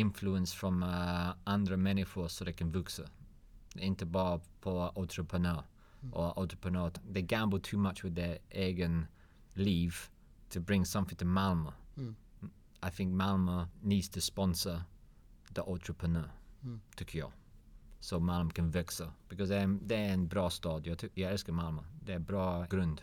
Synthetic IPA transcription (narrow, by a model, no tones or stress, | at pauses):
ɪ̃ɱfluə̃nsfɹə̃məʌ̃ndəɹəmɛnɪfɔɹsoðeɪkʰə̃nvʉksə̰ | ɪ̃ntəbɑpʰəʔɔlˠtɹ̥əpʰɹənɜ | ʔəʔɔlˠtɹ̥ə̥pɹənɜːtðeɪɡæ̃mbl̩ˠtʰʉmʌt͡ʃwɨðəʔɛɡɨ̃n | liv̥ | tʰɨbɹɪ̃ŋsʌ̃mθɪ̃ŋtʰəmalˠmə | aɪθɪ̃ŋk̚malˠməniːdz̥tʰəspɔ̃nsə | ðiʔɔltɹ̥əpʰɹənɜːtʰɨkʰjɔ̰ | soʊmalˠməkə̃nvɪksəb̥ɪkʌzðəðəɪ̃nbɹɔːstɔːdjətʰɪjɹɪskəmalˠməðəbɹɔːɡ̥ɹʊ̃nd̥